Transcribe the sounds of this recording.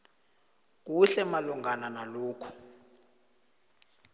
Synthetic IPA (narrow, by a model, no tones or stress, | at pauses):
k̬uɬɛmaluŋɡʱananaloːkʰu̥